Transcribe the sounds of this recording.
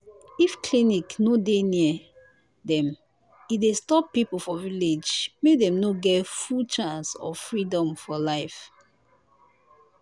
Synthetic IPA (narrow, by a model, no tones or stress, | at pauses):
ifkʰliniknodeniə | dɛ̃m | idestɔpːipofɔviled͡ʒmedɛ̃mnoɡɛtfult͡ʃãnsɔ̰fɹidɔ̃mfɔlaɪf